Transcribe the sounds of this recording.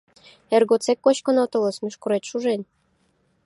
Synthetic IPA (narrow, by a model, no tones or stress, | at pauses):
erɡot͡sekːoɕkŏnot̪ɤ̆lɤ̆smʲyʃkuɾet̪ʃuʒenʲ